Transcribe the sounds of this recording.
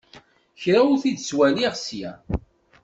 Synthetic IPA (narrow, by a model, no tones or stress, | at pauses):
çɾæʊɾθid̪swæliʁsjæ̰